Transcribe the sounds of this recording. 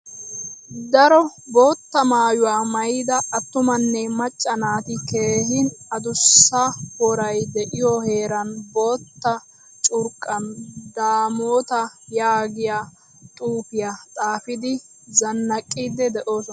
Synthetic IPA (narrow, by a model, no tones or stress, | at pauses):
d̪ɐɾɔbo̞ːt̪ːɐmaːjʊwaːmɐjid̪ɐɐt̪ːʊmɐnːɛmɐt͡ʃʼːɐnaːt̪ɪke̞ːɦɪnɐd̪ʊsːɐhɔɾɐjd̪ɛʔɪjɔhe̞ːɾɐnbo̞ːt̪ːɐ | t͡ʃʼʊɾkʼːɐnd̪aːmoːt̪ɐjaːɡɪjaː | t̪ʼuːpɪjat̪ʼaːfɪd̪ɪ | zɐnːɐkʼːiːd̪ɛd̪ɛʔo̞ːsɔn